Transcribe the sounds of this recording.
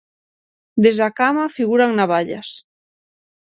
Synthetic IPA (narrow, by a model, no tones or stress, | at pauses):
d̪ezðakamafiɣuɾaŋnaβaʎa̰s